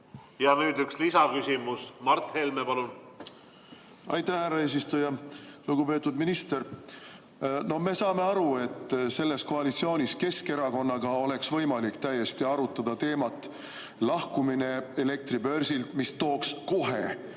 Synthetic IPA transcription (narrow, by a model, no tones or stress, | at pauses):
jɑnyːd̪ykslisɑkysʲimusmɑrt̪helmepɑlun | ɑjt̪æhhæɾɑe̞ːs̬ist̪ujɑluɡ̥upe̞t̪ːud̪minist̪e̞ɾ | no̞hme̞sɑːme̞ɑɾue̞t̪ːse̞lːe̞sko̞ɑlit̪sio̞ːnʲiske̞ske̞ɾɑko̞nːɑɡ̥ɑo̞le̞ksvɤ̞jmɑlikt̪æjːe̞st̪iɑɾut̪ˑːɑd̪̥ɑt̪e̞ːmɑt̪ːˑ | lɑhkumine̞ele̞k̚t̪ɾibø̞rsilt̪mist̪o̞ːksko̞ɦe̞